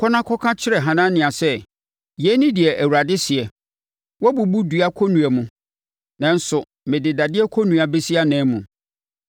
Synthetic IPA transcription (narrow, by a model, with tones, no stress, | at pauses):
kʰɔ˦nã˦kʰɔ˦kʰã˦t͡ɕʰɪ˦ɾɛ˨ɦã˨nã˦nɪ̃˨a˨sɛ˦ | jɛ˨˦nĩ˦dɪ˨ɛ˨ʔæ˨wu˨ɾa˨dɪ˦sɪ˨ɛ˨ | wɔ˦bu˨bu˦du˨˦a˦kʰɔ˦nũ˨ɛ˨mʊ̃˨ | nã˨n̩˦sʊ˨ | mɪ̃˨dɪ˨da˨dɪ˦ɛ˦kʰɔ˦nũ˨a˨bɛ˦si˦a˦nɛ̃ː˦mũ˨